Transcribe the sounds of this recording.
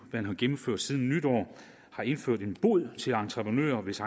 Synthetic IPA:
ʋæænɦɑɡ̥emm̩føɐ̰d̥sið̞ˠn̩ːyd̥ɒ̰ː | hɑ̈e̝nføɐ̰d̥e̝nb̥o̝ð̰ˠt͡sʰe̝lɑ̈nt͡sʰʁɐpʰʁənø̰ːɐʋe̝sɑ̈

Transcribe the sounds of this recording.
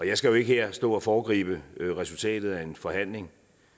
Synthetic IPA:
ɒ̽jɑɪsɡ̥æjoe̝ɡ̥əhe̝ɐ̰sd̥ɔ̰̽ːɒ̽fɒːɡ̥ʁḭːb̥əʁɛsult͡sʰɛ̰ːd̥ð̩ˠæe̝nfɒ̽hæn̰le̝ŋ

